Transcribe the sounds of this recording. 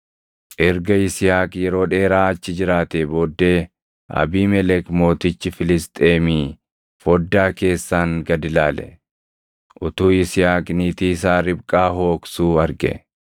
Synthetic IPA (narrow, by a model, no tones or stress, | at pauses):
ʔɛɾɡɐɪsɪjaːkjɛɾo̞ːᶑe̞ːɾaːɐt͡ʃːɪd͡ʒɪɾaːt̪eːbo̞ːd̪ːeː | ʔɐ̰biːmɛlɛkmo̞ːt̪ɪt͡ʃːɪfɪlɪst̪ʼeːmiː | fɔd̪ːaːke̞ːsːaːŋɡɐd̪ɪlaːlɛ̰ | ʔʊt̪uːɪsɪjaːkʼniːt̪iːs̬aːɾɪbkʼaːɦo̞ːksuːɐɾɡɛ̰